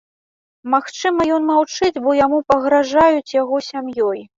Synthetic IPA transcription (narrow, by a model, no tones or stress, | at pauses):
maxt͡ʂɨmɐjɔnmawt͡ʂɨd͡zʲbɔjamupɐɣɾaʐajut͡sʲjaɣɔsʲamjɔj